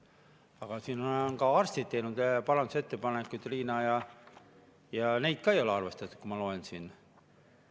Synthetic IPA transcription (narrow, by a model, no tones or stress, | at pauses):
ɑɡ̥ɑsiːnoenkɑɑrst̪it̪t̪ːe̞jnud̪̥pɑɾɑnd̪use̞t̪ːe̞pɑnekːˑujt̪liːnɑːjɑ | jɑnejd̪̥̚kɑejo̞leɑrve̞st̪ɑt̪ːˑu̥kumɑlo̞ensiːn